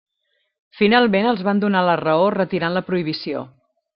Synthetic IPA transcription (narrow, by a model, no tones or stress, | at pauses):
finalˠmenəlˠzβand̪unalərəorət̪iɾanləpɾuiβ̞isio̰